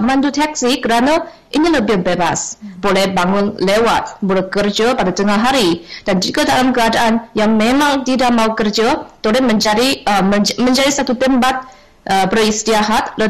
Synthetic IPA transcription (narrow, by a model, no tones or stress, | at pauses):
mandut̪ak̚sikəɾana | ʔiniləbɪhbeba̰sbolɛhbaŋʊnlewa̰t̪̚bolɛkərd͡ʒapadat̪əŋaɦaɾid̥and͡ʒikadalamkəadaʔanjaŋmemaŋt̪idaʔ̚maukərd͡ʒat̪olɛhməd͡ʒaɾi | mə̃ɲd͡ʒadisat̪ut̪əmbat̪̚ | əbərist̪iaɦat̪̚lə